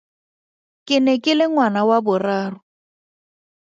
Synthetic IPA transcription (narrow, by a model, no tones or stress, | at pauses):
kʼɪnɛkʼɪlɪŋwanawabʊraːrʊ